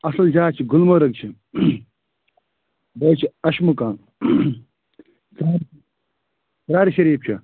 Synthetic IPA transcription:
ɐsɐld͡ʒaːt͡ʃʰiɡʊlmɐːɾɐɡ̚t͡ʃʰi | bɐːt͡ʃʰiɐʃmukãːn | saː | sɾaːɾiʃɐɾiːp̚t͡ʃʰɐ̰

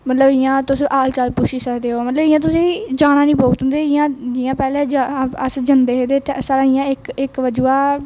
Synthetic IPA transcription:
mət̪ləbɪjãːt̪ʊsĩːʔaːlt͡ʃaːlpuːʃiːsəkd̪eːɦoːmət̪ləbɪjãːt̪̬ʊsĩːd͡ʒaːɽ̃ãːnĩːpoːɡt̪ʊ̃nd̪eːɪjãːd͡ʒɪjãːpɛːleːd͡ʒaəsd͡ʒənd̪eːɦed̪eːsaːɾãːɪjãːɪkɪkʋəd͡ʒuːaː

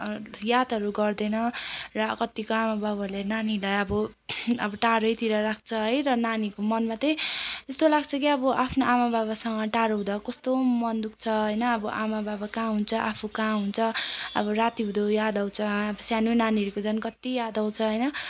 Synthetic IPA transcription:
jad̪ɦʌɾuɡʌrd̪ʌnʌrʌkʌt̪ːikoamababalenanilajʌbʌʌbʌʈaɾʌjt̪iɾʌɾak̚ʰt͡sʰʌɦʌjrʌnanikomʌnmat̪ʌjt̪ʌst̪olaɡt͡sʰʌkiʌbʌʔapʰnoʔamababasʌŋʌʈaɾoɦũd̪akʌst̪omʌnd̪uk̚t͡sʰʌɦʌjnʌːbʌʔamababakãɦunt͡sʰʌʔapʰukãɦunt͡sʰʌʌ̰bʌɾat̪iɦũd̪ojad̪aw̃t͡sʰʌʌbʌsjaninaniʌɾukod͡zʌnkʌt̪ijad̪aw̃t͡sʰʌɦʌjnʌ

